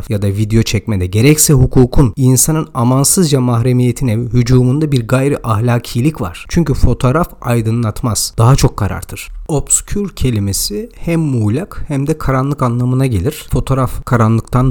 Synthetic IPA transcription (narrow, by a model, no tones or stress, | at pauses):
jad̪avid̪ejo̞t͡ʃʰɛcmed̪ɛɟe̞ɾɛcsɛɦukʰuːkʰuninsanɯnamansɯzd͡ʒamaɦɾe̞mije̞t̪ʰinɛhyd͡ʒuːmund̪abiɾɡajɾiʔahlʲaːcʰijlʲicva̰ɾ̥t͡ʃʰyɲcyfo̞t̪ʰo̞ːɾafajd̪ɯnlˠat̪maz̥d̪̥aɦat͡ʃʰo̞kʰːaɾa̰ɾt̪ʰɯɾ̥o̞bscʲʰyɾcʰe̞lʲime̞sihæmːuːlʲakhæmd̪ɛkʰaɾanlˠɯkanlˠamɯnaɟe̞lʲiɾ̥fo̞t̪ʰo̞ːɾafkʰaɾanlˠɯk̚t̪ʰan